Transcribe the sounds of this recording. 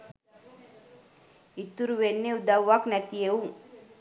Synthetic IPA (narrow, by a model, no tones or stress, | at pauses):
it̪ːuɾuʋenːeud̪aʋʋːaknæt̪ijeuŋ